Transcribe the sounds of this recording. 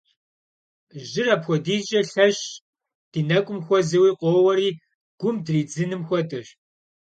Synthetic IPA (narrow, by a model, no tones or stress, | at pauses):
ʒɪrapxʷɔdiːɕʼɐɬɐɕ | d̥iːnɐkʷʼʊmxʷɔzɨwiːqʷʼoːwɐɾiː | ɡ̥ʷʊmdriːd͡zɨnɨmxʷɔtʰʼɨɕ